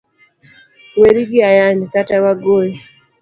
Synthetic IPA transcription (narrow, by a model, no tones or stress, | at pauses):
wɛɾiɡiajanikatawaɡɔi